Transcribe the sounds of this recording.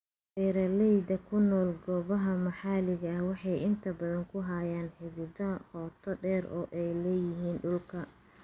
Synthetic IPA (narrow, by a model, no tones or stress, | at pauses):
ɖɛːɾɐlɛjd̪ɐkʰʊnɔːlɡɔːβɐɦɐmɐħɑlɪɣɐɐhwɑħɑjɪnt̪ʰɐbɐðɐŋkʰʊɦaːjaːnħɪðɪðɐhɔːt̪ʰɔɖɛːɾʔɔ̰ːʔɛjlɛːjɪɦiːnɖʊlkʰɐ